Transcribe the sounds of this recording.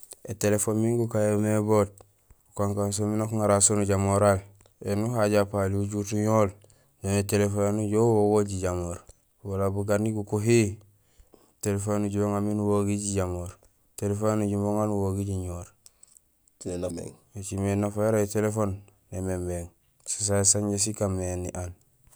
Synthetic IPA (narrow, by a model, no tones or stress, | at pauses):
etelefoːnmiŋɡukajemebot̚ | ukaŋkans̬ominokuŋaɾasonuɟamoɾal | enuɦaɟapaliuɟutuɲoːl | nometelefonuɟowoɡoɟiɟamoɾ | walabuɡaɾniɡukoɦi | telefonːuɟuboŋaminuwoɡiɟiɟamoɾ | telefonuɟumoŋanuwoɡiɟiɲoːɾ | et͡ʃimenafajoɾaetelefon | nemembeŋ | sis̬asaɲɟes̬ikamenːiʔan